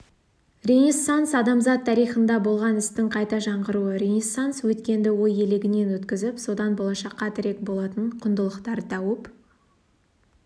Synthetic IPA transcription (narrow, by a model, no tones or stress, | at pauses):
rʲe̞nʲisːonsɑd̪ɑmzɑt̪ʰːɑɾijχənd̪ɑbo̞lˠʁɑnɪst̪ɪŋqʰɑjt̪ɑʒɑɴʁəɾuəɾʲenʲisanswɵt̪kʲe̞nd̪ɪwo̞je̞leɡʲɪne̞nwɵt̪kʲɪzɪpso̞d̪ɑnbo̞lˠɑʃɑqːɑt̪ʰɪɾe̞k̚bo̞lˠɑt̪əɴqʰʊnd̪əlˠəqt̪ɑɾd̪ɑwəp